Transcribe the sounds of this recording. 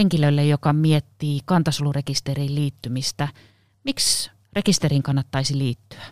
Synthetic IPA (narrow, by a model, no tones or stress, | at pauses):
eŋkiløilːejjokɑmiet̪ːiːkɑnt̪ɑsulurekist̪eriːlliːt̪ːymist̪æ | miks | rekist̪eriŋkɑnːɑt̪ːɑisiliːt̪ːy̥æ̥